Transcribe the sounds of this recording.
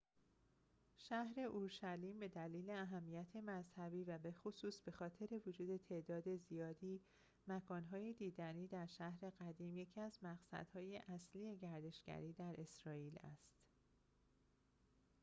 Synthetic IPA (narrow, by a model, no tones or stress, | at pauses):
ʃæhɾe̞ʔuɾʃæliːmbe̞d̪æliːleæɦæmːijæt̪ʰe̞mæzhæbiːvæbe̞xosuːsb̥e̞xɒːt̪ʰe̞ɾe̞vod͡ʒuːd̪e̞t̪ʰe̞ʔd̪ɒːd̪e̞zijɒːd̪iː | mækʰɒːnɦɒːjed̪iːd̪æniːd̪æɾʃæhɾe̞ɣæd̪iːmje̞cʰiæzmæɣsæ̰d̪̥hɒːje̞ʔæslie̞ɟæɾd̪e̞ʃɡ̥æ̰ɾiːd̪æɾʔe̞sɾɒːiːlæ̰st̪